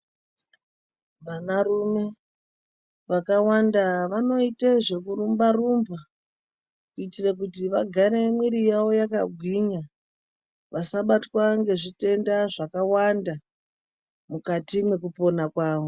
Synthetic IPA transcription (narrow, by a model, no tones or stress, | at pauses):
ʋanarume̞ | ʋakawandaʋano̞iteʐe̞kuɾumbarumba | kuitirak̬utiʋaɡʱaɾemwiɾijawo̞jakaɡʱwiɲa | ʋasaɓatwaŋɡe̞ʐite̞ndaʐakawanda | mukatimwe̞kupo̞nakwaːʋo